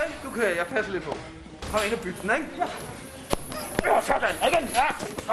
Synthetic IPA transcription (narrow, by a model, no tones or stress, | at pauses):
ed̥ukʰujäɪpʰæsəlɪd̥̚pʰɒ̽ | kʰɒ̽mɐe̝nɒb̥yd̥d̥n̩eɡ̥ | osɒd̥æneɡ̥enjæ